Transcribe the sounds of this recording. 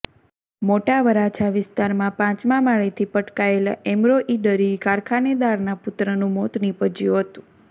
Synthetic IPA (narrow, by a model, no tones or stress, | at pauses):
moʈaʋəɾat͡ʃʰaʋɪst̪aɾmãpãt͡ʃmãmaɭet̪ʰipəʈkaela̰ʔɛmɾoʔiɖəɾikaɾkʰaned̪aɾnapʊt̪ɾənũmot̪nipəd͡ʒjũɦət̪ũ